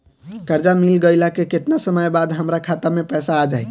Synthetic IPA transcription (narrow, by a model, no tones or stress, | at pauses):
kəɾd͡ʒamilɡəjlakeket̪nasəməjbad̪ɦəmɾakʰat̪amepəsaːd͡ʒae